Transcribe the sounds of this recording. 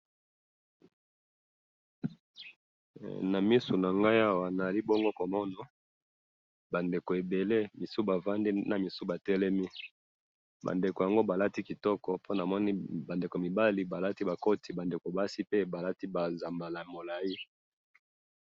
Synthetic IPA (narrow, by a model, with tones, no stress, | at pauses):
na˨mi˦su˨na˨ŋɡa˦ja˦wa˨na˨a˨li˦bɔ˦ŋɡo˦ko˨mɔ˦na˨ | ba˨nde˨ko˨e˨be˨le˦mi˨su˦ba˨va˦ndi˦na˨mi˨su˦ba˨tɛ˦lɛ˦mi˦ | ba̰˨nde˨ko˨ja˨ŋɡo˦ba˨la˦ti˦ki˨tɔ˦kɔ˨po˦na˨mɔ˦ni˦ba˨nde˨ko˨mi˨ba˦li˨ba˨la˦ti˦ba˨ko˦tʰi˨ba˨nde˨ko˨ba˦si˦pe˦ba˨la˦ti˦ba˨za˨mba˨la˨mo˨la˨ji˦